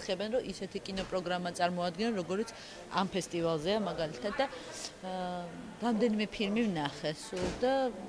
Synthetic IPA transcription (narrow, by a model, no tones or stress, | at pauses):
χɛbɛnɾɔʔisɛt̪ʰikʼinɔpʼɾɔɡɾamat̪sʼaɾmɔad̪ɡɛnɔnɾɔɡɔɾit̪sʰ | a̰mpʰɛst̪ʼivalˠzɛamaɡalit̪ʰat̪̚d̪a | ɾamd̪ɛnimɛpʰilmivnaχɛsd̪a